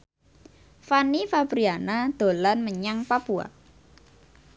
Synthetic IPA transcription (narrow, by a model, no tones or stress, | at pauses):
fanifabɾianad̪̥o̤lanməɲaŋpapua̰